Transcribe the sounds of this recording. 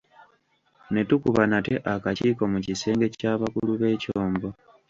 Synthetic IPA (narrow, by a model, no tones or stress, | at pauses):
ne̞tukuβanateʔakaciːko̞mucise̞ːŋɡe̞caːβakuluβe̞ːcoːmɡo̞